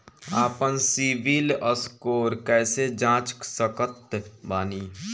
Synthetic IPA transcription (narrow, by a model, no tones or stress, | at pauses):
aːpənsibiləskoːɾkɛːsed͡ʒãːt͡ʃksəkət̪baːniː